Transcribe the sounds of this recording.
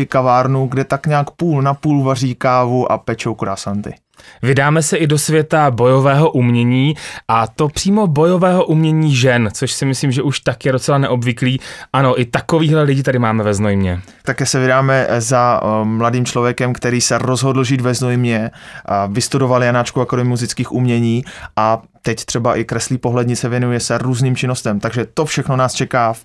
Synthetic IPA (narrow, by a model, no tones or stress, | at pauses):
ɪkavaːɾnuɡdɛt̪akɲaːkpuːlnapuːlvariːkaːvuʔa̰pɛt͡ʃowkɾaːsant̪ɪ̰ | vɪdaːmɛsɛʔɪdo̞svjɛt̪abo̞jo̞vɛːɦo̞ʔumɲɛɲiːʔat̪o̞pr̥iːmo̞bo̞jo̞vɛːɦo̞ʔumɲɛɲiːʒɛnt͡soʃsɪmɪsliːmʒɛʔuʃt̪akjɛdo̞t͡sɛlanɛʔo̞bvɪkliːʔano̞ʔɪt̪ako̞viːɦlɛlɪɟɪt̪adɪmaːmɛvɛznojmɲɛ | t̪akɛːsɛvɪdaːmɛzamladiːmt͡ʃlo̞vjɛkɛmkt̪ɛɾiːsɛɾo̞zɦo̞dl̩ʒiːt̪vɛznojmɲɛ | vɪst̪udo̞valjanat͡ʃkuakodmuzɪt͡skiːxʔumɲɛɲiːʔa | t̪ɛct̪r̥ɛbaʔɪkɾɛsliːpo̞ɦlɛdɲɪt͡sɛvjɛnujɛsɛɾuːzniːmt͡ʃɪnost̪ɛmt̪aɡʒɛt̪o̞fʃɛxno̞naːst͡ʃɛkaː